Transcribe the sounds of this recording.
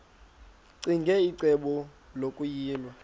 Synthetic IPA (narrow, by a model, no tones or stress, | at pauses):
ǀiŋɡʱɛiǀɛɓɔlokʼujiːlwa